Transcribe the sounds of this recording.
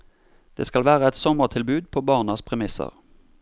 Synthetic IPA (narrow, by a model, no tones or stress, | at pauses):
d̪̥ḛːskɑlʋæːʁəɛt̪sɔməʁt̪ʰɪlbʉːd̪̚pʰoːbɑːʁnɑspʰʁɛmɪsə̰ʁ